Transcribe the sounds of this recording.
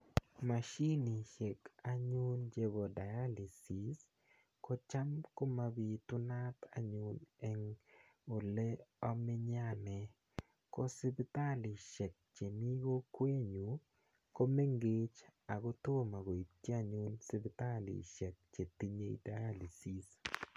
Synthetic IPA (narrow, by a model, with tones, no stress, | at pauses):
ma˨ʃi˦ni˨ʃe˨ka˨ɲu˦nd͡ʒe˦bo˨da˨ja˦li˨si˨s | kɔ˦t͡ʃa˦mko˦ma˨bi˨tʊ˦na˦t̪a̰˦ɲunɛ˨ŋ | ʊ˨le˦ɔ˦mɪ˦ɲa˦nɛ˨ | kɔ˦sɪ˦bɪ˦t̪a˦li˨ʃɛ˨k̚t͡ʃe˨mi˦ɡo˦kwe˦ɲu˨ | ko˦me˦ŋɡe˦t͡ʃa˨ɡo˦to˦ma˨ɡo˨i˨tːi˦a˦ɲu˦nsɪ˦bɪt̪a˦lḭ˨ʃɛ˨k̚t͡ʃe˨t̪i˦ɲe˦ḭ˦da˦ja˦li˨si˨s